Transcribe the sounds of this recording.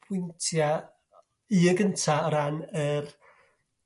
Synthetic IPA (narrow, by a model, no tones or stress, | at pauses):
pʰwɪntʰja | iəɡəntʰaəɾanər